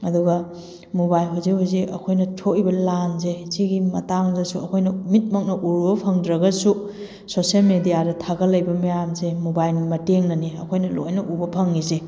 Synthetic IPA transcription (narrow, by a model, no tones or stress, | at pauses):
ɐduɡɐ | mobajlɦuzihuziʔɐ̰kʰojnɐtʰoʔibɐlanzesiɡimɐ̰taŋzɐsuɐkʰojnɐmit̚mɐk̚nɐʔuɾbɐpʰɐŋdɾɐɡɐsu | sosielmedijadɐtʰaɡɐlɐjbɐmɐjamzemobajlnimɐteŋnɐniɐ̰kʰojnɐlo̰jnɐʔubɐpʰɐŋːize